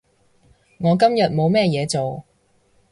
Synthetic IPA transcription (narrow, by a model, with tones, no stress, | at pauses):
ŋɔː˨˧k̬ɐ˥mjɐ˨t̚mo˨˧wmɛː˥jɛː˨˧t͡so˨w